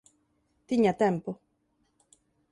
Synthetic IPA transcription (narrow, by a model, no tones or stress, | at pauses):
t̪iɲat̪ɛmpo